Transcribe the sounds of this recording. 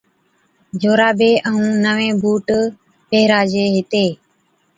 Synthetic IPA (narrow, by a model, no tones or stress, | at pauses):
d͡ʒoːɾaːbeːʔəɦũːnəʋẽːbuːʈ | peːɾaːd͡ʒeːɦɪt̪eː